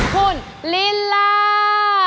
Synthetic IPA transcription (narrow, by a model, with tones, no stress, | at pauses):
kʰu˧˩n | li˦˥lːa˦˧